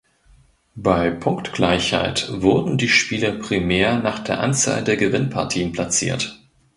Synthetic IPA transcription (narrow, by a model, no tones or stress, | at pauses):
b̥aɪpʰʊŋktɡ̥laɪçha̰ɪtv̥ʊɐdn̩diːʃpiːlɐpʁ̥imeːɐnaːχd̥eːɐʔa̰nt͡sa̰ːldeːɐɡəvɪnpʰa̰ɐtʰiːənpʰl̥at͡sḭːɐt